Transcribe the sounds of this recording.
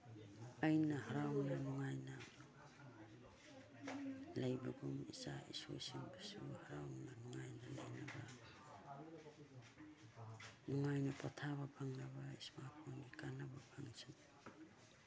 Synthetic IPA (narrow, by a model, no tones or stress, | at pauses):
ajnaɦaɾawŋnanuŋajna | lejbaɡumisaiso̰jsimbisuhaɾawŋnanuŋajnalajnaba | nuŋajnapatʰaβapaŋnabaismapʰonikanababʰaŋisa